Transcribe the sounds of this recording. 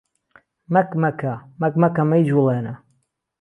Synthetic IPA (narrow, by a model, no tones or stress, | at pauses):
mɐkmɐkamɐkmɐkɐmɐjd͡ʒulˠenɐ